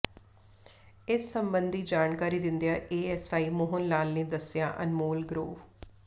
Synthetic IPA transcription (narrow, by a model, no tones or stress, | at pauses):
ɪsːəmbənd̪ʱiːd͡ʒaːnkaːɾiːd̪ɪ̃nd̪ijaːʔeːɛːsaːiːmʊɦʊnlaːlneːd̪əsɪjã̰ːʔə̰nmoːlɡɾoːʋ